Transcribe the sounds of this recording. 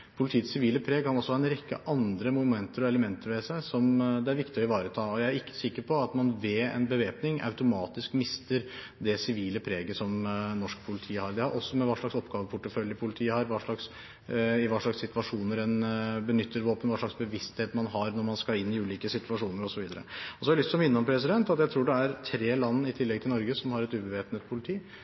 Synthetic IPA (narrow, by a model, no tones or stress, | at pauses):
pʰʊlɪt̪ʰiːt̪sɪʋiːləpʰɾeːɡ̚kʰɑnɔsːɔhɑɛnɾɛkːə̰ʔɑnd̪ɾəmʊmɛnt̪əɾɔɛləmɛnt̪əɾʋɛsæɪsɔmd̪ɛæɾʋɪkt̪ɪɔɪʋɑːɾət̪ʰɑːɔjæɪæɾɪkːə̥sɪkːəɾpʰɔɑt̪mɑnʋɛɛ̰nbəʋeːpnɪŋʔɑ̰ʉt̪ʊmɑːt̪ɪskmɪst̪əɾ | d̪ɛsɪʋiːləpʰɾeːɡəsɔmnɔʂkpʰʊlɪt̪ʰiːhɑɾd̪ɪhɑɾʔɔsːɔmɛʋɑːʂɭɑksɔpːɡɑːʋəpʰʊʈːəfœljəpʰʊlɪt̪ʰiːəhɑɾʋɑːʂɭɑks | ɪʋɑːʂɭɑksːɪt̪ʋɑʂuːnəɾɛnbənʏt̪ʰːəɾʋoːpənʋɑːʂɭɑksbəʋɪst̪heːt̪mɑnɦɑɾnɔɾmɑnskɑɪnːɪʉːliːkəsɪt̪ʉʋɑʂuːnəɾɔsɔʋiːd̪əɾə̰ɔsɔɑɾɛlɪt̪sɔmʋɪnːəɔmpʰɾɛsɪd̪ɛnt̪ɑt̪jæɪt̪ʰɾuːɖɛæɾt̪ʰɾeːlɑnːəɪt̪ʰɪlːɛɡ̚t̪ʰɪlnɔɾɡəsɔmhɑɾɛt̪ʉːbəʋeːpnət̪̚pʰʊlɪt̪ʰiː